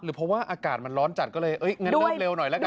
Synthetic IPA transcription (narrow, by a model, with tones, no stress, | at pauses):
ɾɯː˩˦pʰɔ˦˥waː˥˩ʔaː˧kaː˨˩t̪̚ma˧nɾɔː˦˥nt͡ɕa˨˩t̪̚kɔː˥˩lɤː˧jʔɤ˦˥jŋɤ˧˥le˧wnɔ˨˩jlɛ˦˥k